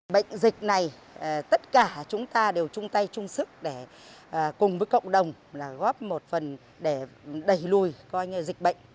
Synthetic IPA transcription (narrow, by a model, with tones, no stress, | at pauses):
ɓə̰˧˨jŋ̟zï˨˩k̟̚na˨˩j | t̪ə˦˥t̚kaː˧˩t͡ɕʊ˨˦ŋ͡mt̪aː˧ɗe˨˩wt͡ɕʊ˧ŋ͡mt̪a˧jt͡ɕʊ˧ŋ͡msɨ˦˥ək̚ɗe˧˩˨ | kʊ˨˩ŋ͡mvəː˨˦jkə̰˧˨wŋ͡mɗə˨˩wŋ͡mlaː˨˩ɣɔ˦˥p̚mo˨˩t̚fə˨˩n | ɗe˧˩ɗə˧˩jlu˧˩jkɔ˧jɲɨ˧zi˨˩k̟̚ɓə̰˧˨jŋ̟